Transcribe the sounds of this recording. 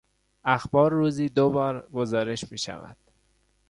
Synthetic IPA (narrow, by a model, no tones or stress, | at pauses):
æxbɒːɾːuːziːd̪obɒːɾɡozɒːɾe̞ʃmiːʃæ̰væ̰d̪̥